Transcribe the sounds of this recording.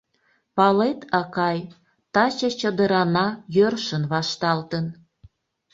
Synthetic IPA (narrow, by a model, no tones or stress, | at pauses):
pɑlet̪ʰɑkɑj | t̪ɑt͡ɕət͡ɕəd̪əɾɑnɑjørʃənβɑʃt̪ɑlt̪ən